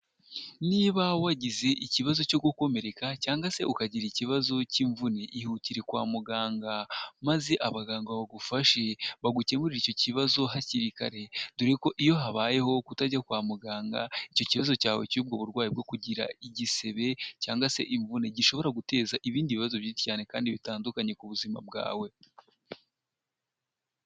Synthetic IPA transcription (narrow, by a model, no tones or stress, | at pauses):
niːβawaɟize̞ʔiciβazo̞co̞ɡuko̞me̞ɾe̞kacaːŋɡase̞ʔukaɟiɾiciβazo̞ciɱvune̞ʔihuciɾe̞kwa̰ːmuɡaːŋɡamaze̞ʔaβaɡaːŋɡaβaɡufaʃeβaɡuce̞muɾiɾicociβazo̞ɦaciɾika̰ɾe̞duɾeko̞ʔijo̞ɦaβaːje̞ɦo̞kutaɟakwaːmuɡaːŋɡa̰ico̞ciβazo̞caːwe̞̰cuːb̚ɡo̞βuɾɡwaːjib̚ɡo̞kuɟiɾa̰iɟise̞βe̞ca̰ːŋɡwase̞̰ʔiɱvune̞ɟiʃo̞βo̞ɾaɡute̞ːzaʔiβiːndiβiβazo̞βjiti̥caːne̞kaːndiβitaːndukaɲe̞kuβuzima̰b̚ɡa̰ːwe̞